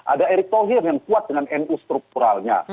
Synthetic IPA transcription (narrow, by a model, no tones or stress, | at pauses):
ʔa̰daɛɾik̚t̪oɦirjaŋkuat̪̚dəŋanɛnust̪ɾuk̚t̪uɾalɲa̰